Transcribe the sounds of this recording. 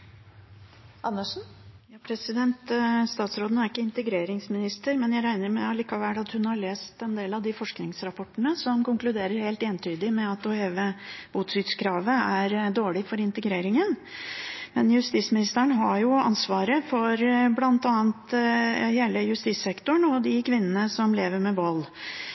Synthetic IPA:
ʔɑnːəʂn̩jɑːpʰɾɛsɪd̪ɛnt̪st̪ɑːt̪sɾoːd̪næɾɪkːəɪnt̪əɡɾeːɾɪŋsmɪnɪst̪əɾmɛnjæɪɾæɪnəɾmɛɑliːkɑʋælːɑt̪hʉnhɑɭeːst̪ɛnd̪eːlɑd̪ɪfɔʂknɪŋsɾɑpʰɔʈːəɳəsɔmkʊŋklʉd̪eːɾəɾheːlt̪eːnt̪ʰyːd̪ɪmɛɑt̪ɔeːʋəb̥uːt̪sʏːt̪skʰɾɑːʋəæɾd̪oːɭɪfɔɾɪnt̪əɡɾeːɾɪŋən | mɛnjʉst̪iːsmɪnɪst̪əɳɦɑjʊɑ̰nsʋɑːɾəfɔɾblɑnt̪ɑːnt̪heːləjʉst̪iːsɛkt̪ʊɳɔd̪ɪkʰʋɪnːənəsɔmleːʋəɾmɛʋɔlː

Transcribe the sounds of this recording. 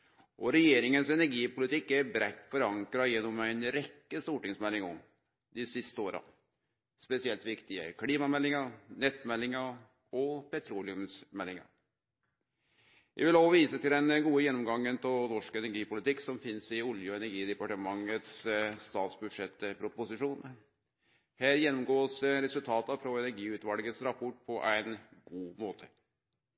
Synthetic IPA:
ʔɔɾɛjeːɾɪŋənsɛnæɾɡiːpʊlɪt̪ɪkːæɾbɾæt̪ːfɔɾɑŋkɾɑjɛnːɔmæɪnɾɛkːəst̪uːʈɪŋsmɛlːɪŋɔm | d̪ɪsɪst̪əoːɾɑ̰ | spɛsɪɛlt̪ʋɪkt̪ɪə̰kʰɽiːmɑmɛlːɪŋɑnɛt̪ːmɛlːɪŋɑ | ɔpɛt̪ʰɾuːlɪʉmsmɛlːɪŋɑ̰ | ʋʔæ̰ʋɪloːʋɔʋiːsət̪ʰɪld̪ɛnɡuːəjɛnːɔmɡɑŋːənpʰɔlnɔʂkɛnæɾɡiːpʊlɪt̪ɪkːsɔmfɪnsɪʊljəɔɛnæɾɡiːd̪ɛpɑʈəmɑŋːət̪sst̪ɑːt̪sbʉd̪ʂɛt̪ːəpʰɾʊpʊsɪʂuːn | hæːɾjɛnːɔmɡoːsɾɛsʉlt̪ʰɑːt̪ɑfɾɔɛnæɾɡiːʉt̪ʋɑlɡət̪sɾɑpʰɔʈ̚ːpʰɔʔæɪnɡ̥uːmoːt̪ʰə̥

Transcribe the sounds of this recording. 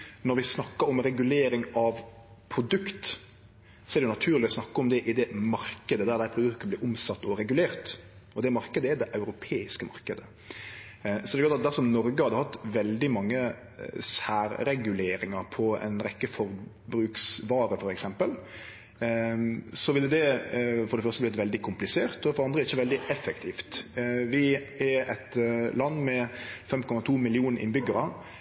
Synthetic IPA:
nɔɾʋɪsnɑkːəɾɔmɾɛɡʉleːɾɪŋɑʋ | pʰɾʊd̪ʉkt̪ | sɔɛɾdɛjʉnɑt̪ʰʉːʁlɪɔsnɑkːəɔmd̪ɛʔɪd̪ɛmɑɾkəd̪əd̪æɾd̪æɪpʰɾʊd̪ʉkt̪əblɪːɾʊmsɑt̪ːɔɾɛɡʉleːɾt̪ | ɔd̪ɛmɑɾkəd̪əɛd̪ɛʔɑʉɾʊpʰeːɪskəmɑɾkəd̪ə | sɔd̪ɛklɑt̪ɑt̪̚d̪æɾsɔmnɔɾɡəhɑd̪əhɑt̪ːʋɛld̪ɪmɑŋːə | sæːɾɾɛɡʉleːɾɪŋɑɾpʰɔɛ̰ɪnɾɛkːəfɔɾ | bɾʉːksʋɑːɾəfɔɾɛksɛmpəl | sɔʋɪlːəd̪ɛfɔɾɖ̪ɛfœɾst̪əblɪt̪ʋɛld̪ɪkʰʊmplɪseːɾt̪ɔfɔɾɑnd̪ɾəɾɪçːəʋɛld̪ɪʔɛfːək̚t̪ʰiːft̪ʋɪɛɛt̪lɑnːmɛfɛmkʰɔmɑt̪ʰuːmɪlɪuːnəɾʔɪ̰nbʏɡəɾɑ

